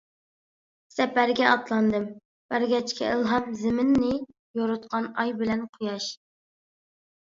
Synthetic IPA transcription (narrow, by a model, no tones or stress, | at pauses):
sɛpæɾɡʲɛʔɑt̪lˠɑnd̪ɨm | b̥æɾɡʲɛt͡ʃkʲʰɛɨlˠɦɑmzɪmɪnːɪ | joɾɨt̪qʰɑnɑjbɪlɛnqʰojɑʃ